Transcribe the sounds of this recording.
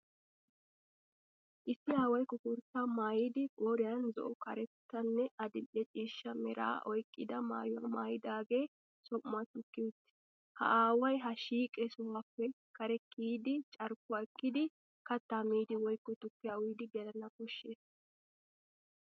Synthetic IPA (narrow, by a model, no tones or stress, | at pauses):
ʔɪsːɪaːwɐjkːɔkʊɾt̪ːamaːjid̪ɪʔoːɾɪjɐnzɔ̰ʔɔkɐɾɛt̪ːɐnːɛɐd̪ɪlʔɛt͡ʃʼiːʃːɐmɛɾa̰ːʔɔjkʼːɪd̪ɐma̰ːjʊɐmaːjɪd̪aːɡe̞ː | sɔmʊat̪ʊkːɪt̪ː | hɐ̰aːwɐjɦɐʃiːkʼɛsɔwaːpːɛ | kɐɾɛkʰʼːiːd̪ɪt͡ʃʼɐɾkːʊɐkːɪd̪ɪ | kɐt̪ːamiːd̪ɪwɔjkːɔt̪ʊkːɪjawiːd̪ɪɡɛlɐnɐkɔʃːeːs